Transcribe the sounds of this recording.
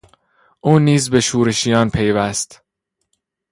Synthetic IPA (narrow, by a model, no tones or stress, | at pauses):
ʔuːniːzbe̞ʃuːɾe̞ʃijɒːnpʰe̞jvæst̪